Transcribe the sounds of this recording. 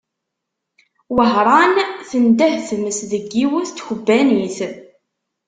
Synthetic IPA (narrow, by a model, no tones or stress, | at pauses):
wəɦɾˤɑnθənd̪æhθəməsðəɡːiwəθt̪ːçəbːæniθ